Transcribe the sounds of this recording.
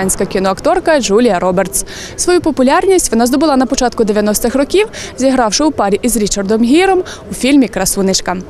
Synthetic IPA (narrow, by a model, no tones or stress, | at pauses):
anʲsʲkɐkʲinɔɐkt̪ɔrkɐd͡ʒulʲijɐɾʔɔbert̪s | sʋɔjupɔpʊlʲɑrnʲisʲtʲʋɔnazd̪ɔbɪlˠɑnɐpɔt͡ʃɑt̪kʊd̪eʋʲjɐnɔsʲt̪ɪxrɔkʲiwzʲiɦɾɑwʂɪupɑɾʲiʔizɾʲit͡ʃɐrd̪ɔmɦʲiɾɔmufʲilʲmʲikɾɐsunɪt͡ʃkɐ